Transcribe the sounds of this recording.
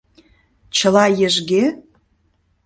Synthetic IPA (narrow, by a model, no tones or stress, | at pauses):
t͡ɕəlɑjĕʒɡe